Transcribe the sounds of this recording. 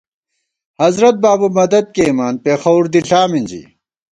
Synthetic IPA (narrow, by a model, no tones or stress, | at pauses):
hɐzɾɐt̪̚baːbumɐd̪ɐd̪̚keimaːnpeːxɐwuɾd̪iɬaːmind͡ʑḭ